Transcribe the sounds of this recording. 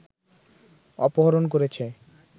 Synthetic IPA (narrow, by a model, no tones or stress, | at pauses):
ɔpoɦaɾonk̬oɾet͡ɕʰe